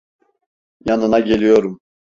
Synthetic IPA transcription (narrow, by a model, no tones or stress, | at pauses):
janɯnaɟe̞lʲijo̞ɾum